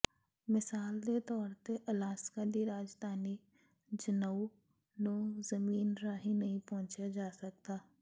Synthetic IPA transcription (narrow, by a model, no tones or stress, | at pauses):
mɪsaːld̪et̪ɔːɾt̪eʔɐlaːskad̪iɾaːd͡ʒd̪ʱaːni | d͡ʒənəu | noːzɐmiːnɾaɦĩnɐɦĩpɔ̃ɦʊ̃t͡ʃad͡ʒaːsɐk̚t̪aː